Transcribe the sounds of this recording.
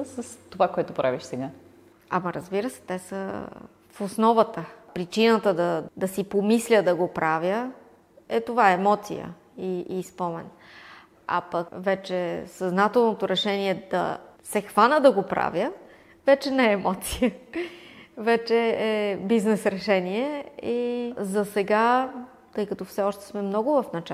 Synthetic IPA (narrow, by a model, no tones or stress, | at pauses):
səst̪ovakoɛt̪opɾaviʃsɛɡa | ɐ̰mɐɾəzbiɾəsɛ̥t̪ɛsə̰ | fosnɔvət̪əpɾit͡ʃinət̪əd̪ɐd̪ɐsipomislʲəd̪ɐɡopɾavjə | ɛt̪ovaɛːmɔt̪sḭjə̰ | iispɔmɛ̰n | a̰pəkvɛt͡ʃɛsɐznat̪ɛlˠnot̪oɾɛʃɛniɛd̪ɐ̰sɛxvanəd̪ɐɡopɾa̰vʲjə | vɛt͡ʃɛnɛɛːmɔt̪sijə | vɛt͡ʃɛɛbiznɛsɾɛʃɛniɛizɐsɛɡa | t̪ɤjkɐt̪ɔfsɛɔʃt̪ɛ̥smɛmnɔɡʊvɐfnɐt͡ʃ